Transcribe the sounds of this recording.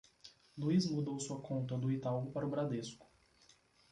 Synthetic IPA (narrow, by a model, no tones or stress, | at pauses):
luizmud̪owsuɐkʰõnt̪ɐd̪ʊit̪awɡʊpaɾʊbɾad̪eskʊ̥